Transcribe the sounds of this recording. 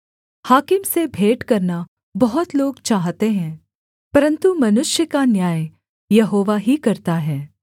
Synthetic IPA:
haːkɪmsebʱeːʈkɐɾna | bɐɦʊt̪loːɡt͡ʃaːɦt̪eɦɛ̃ː | pɐɾə̃nt̪umɐnʊʃjəkanjaːj | jɐɦoːʋaɦikɐɾt̪aɦɛː

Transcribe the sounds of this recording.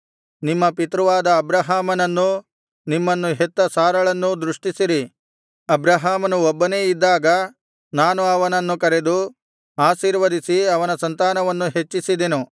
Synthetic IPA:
nimːɐpit̪ɾuʋaːd̪ɐːbɾɐɦaːmɐnɐnːu | nimːɐnːuɦet̪ːɐsaːɾɐɭɐnːud̪ɾuʂʈisiɾi | ɐbɾɐɦaːmɐnuobːɐne̞ːid̪ːaːɡɐ | naːnuɐʋɐnɐnːukɐɾed̪u | aːʃiːɾʋɐd̪isiɐʋɐnɐsɐnt̪aːnɐʋɐnːuɦe̞t͡ʃːisid̪enu

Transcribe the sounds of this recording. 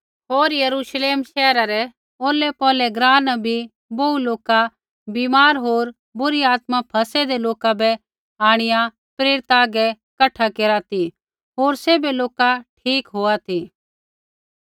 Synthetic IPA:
ɦoːɾjɐɾuːʃleːmʃɛːɾaɾɛ | oːlɛpɔːlɛɡɾaːnbʱi | bouloːka | biːmaːɾɦoːɾ | bʊɾiaːt̪mapʰɐsɛd̪eloːkabɛ | aːɽ̃ɪja | pɾeːɾɪt̪aːɡɛ | kɐʈʰakeːɾat̪ʰi | ɦoːɾseːbeloːkaʈʰiːkɦoːat̪ʰi

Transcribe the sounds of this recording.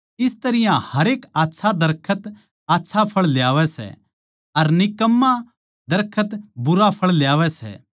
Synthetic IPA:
ɪst̪ɐɾɪjãhɐɾeːkaːtːʃʰad̪ɐɾkʰət̪ | aːtːʃʰapʰɐɭljaːʋɛsɛ̰ | ɐɾnɪkəmːa | d̪ɐɾkʰət̪bʊɾapʰɐɭljaːʋɛsɛ̰

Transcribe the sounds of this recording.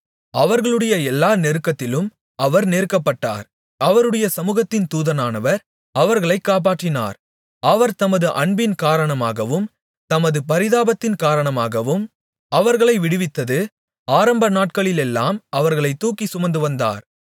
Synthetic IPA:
ɐʋɐɾɣɐɭɯɽɐjɐɛlːaːnɛɾɯkːɐt̪ːɪlɯm | ɐʋɐɾneːɾkːɐpːɐʈːa̰ːɾ | ɐʋɐɾɯɽɐjɐsɐmuːɣɐt̪ːɪnt̪uːðɐnaːnɐʋɐɾ | ɐʋɐɾɣɐɭɐɪkːaːp̬aːʈrɪna̰ːɾ | ɐʋɐɾt̪ɐmɐðɯʔɐɳbɪnkaːɾɐɳɐmaːɣɐʋɯm | t̪ɐmɐðɯpɐɾɪðaːbɐt̪ːɪnkaːɾɐɳɐmaːɣɐʋɯm | ɐʋɐɾɣɐɭɐɪʋɪɽɯʋɪt̪ːɐðɯ | aːɾɐmbɐnaːʈ̚kɐɭɪlɛlːa̰ːmɐʋɐɾɣɐɭɐɪt̪ːuːkisʊmɐnd̪ɯʋɐnd̪a̰ːɾ

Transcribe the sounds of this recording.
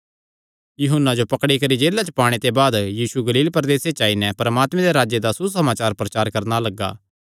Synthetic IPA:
jʊɦʊnːad͡ʒopɐkɽikɐɾid͡ʒeːlːat͡ʃəpaːɽ̃et̪ebaːd̪jiːsuɡɐliːlpɐɾd̪eːset͡ʃaːinɛpɐɾəmaːt̪mɛ̃d̪eɾaːd͡ʒjed̪asus̬ɐmaːt͡ʃaːɾpɾɐt͡ʃaːɾkɐɾnalɐɡːa̰ː

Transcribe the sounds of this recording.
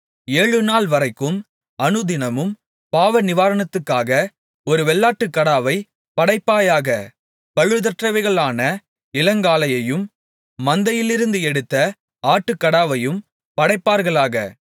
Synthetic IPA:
eːɻɯnaːlʋɐrɐɪkːɯm | ɐnɯðɪnɐmɯm | paːʋɐnɪʋaːɾɐɳɐt̪ːɯkːaːɣɐ | ɔɾɯʋɛɭːaːʈːɯkːɐɽaːʋɐɪ | pɐɽɐɪpːaːjaːɣɐ | pɐɻɯðɐʈrɐʋɐɪɣɐɭaːnɐ | ɪlɐŋɡaːlɐjɐjɯmː | ɐnd̪ɐjɪlɪɾɯnd̪ɯɛɽɯt̪ːɐ | aːʈːɯkːɐɽaːʋɐjɯm | pɐɽɐɪpːaːɾɣɐɭaːɣɐ̰

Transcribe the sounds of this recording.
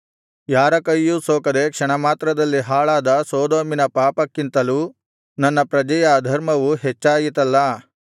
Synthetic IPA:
jaːɾɐkɐjːusoːkɐd̪e̞kʂɐɳɐmaːt̪ɾɐd̪ɐlːiɦaːɭaːd̪ɐsoːd̪oːminɐpaːpɐkːint̪ɐluː | nɐnːɐpɾɐd͡ʒɐjɐːd̪ʱɐɾmɐʋuɦet͡ʃːaːjit̪ɐlːɐ

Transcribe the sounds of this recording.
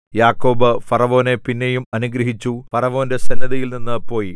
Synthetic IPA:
jaːkːo̞ːbɨfɐrɐʋo̞ːne̞pinːe̞jumɐnuɡɾɐɦit͡ɕːufɐrɐʋo̞ːnde̞sɐnːɐðɐjilninːɨpo̞ːji

